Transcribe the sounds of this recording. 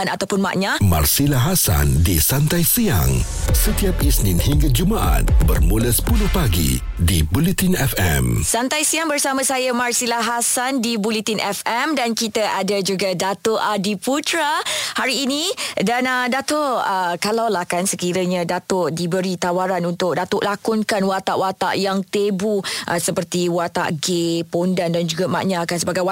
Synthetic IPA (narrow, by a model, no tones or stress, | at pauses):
nat̪awpʊnma̰ʔɲãma̰rsilaɦasa̰ndisant̪ajsia̰ŋ | sət̪iap̚isninhiŋɡad͡ʒumaʔa̰t̪̚bə̰rmulasə̥puluhpaɡḭ | dibulit̪inɛfɛ̰msant̪ajsijaŋbərsamarsajamarsilaɦasandibulit̪inʔɛfɛmdankit̪aʔadad͡ʒuɡadat̪oʔadiput̪ɾahaɾiːnĩdanədat̪oʔəkalawlahkansəkiɾəɲãdat̪ʊʔdibəɾit̪awaɾanunt̪ʊʔ̚dat̪ʊʔlakʊnkanwat̪aʔwat̪a̰ʔjaŋt̪ebuʔasəpərt̪iwat̪a̰ʔɡepondandand͡ʒuɡama̰ʔɲakansəbaɡaja